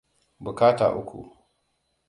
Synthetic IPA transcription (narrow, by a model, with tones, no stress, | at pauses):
bu˨kaː˦ta̰ː˨ʔʊ˦kʷṵ˨